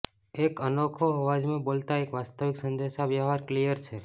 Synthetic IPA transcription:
ekənokʰoɦəʋad͡ʒmẽbolt̪aekʋast̪əʋiksənd̪eʃaʋjəɦaɾklijəɾt͡ʃʰe

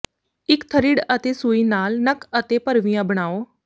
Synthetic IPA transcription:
ɪkt̪ʰəɾiːɽət̪esuːinaːlnəkət̪epəɾʋɪjãbəɽ̃aːoː

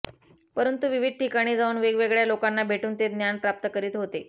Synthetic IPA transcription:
pəɾənt̪uʋiʋid̪̚ʈʰikaɽ̃iːd͡zauːnʋeɡʋeɡɭjalokanːabʱeʈuːnt̪ed̪njanpɾap̚t̪əkəɾiːt̪ɦot̪e

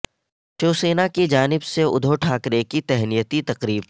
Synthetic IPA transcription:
ʈoːseːnakid͡ʒaːnɪbseʊ̰d̪ʱoʈʰaːkɾekit̪ɛɦnijət̪it̪ɐqɾiːb

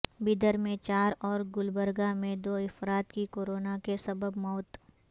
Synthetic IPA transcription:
bɪd̪əɾmẽt͡ʃaːɾɔːɾɡʊlbəɾɡamẽd̪oːɪfɾaːt̪kikoːɾoːnakesɐbəbmɔːt̪

